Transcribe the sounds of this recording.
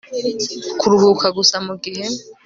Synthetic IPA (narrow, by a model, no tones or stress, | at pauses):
kuɾuβukʰaɡusamuɡiɦe̞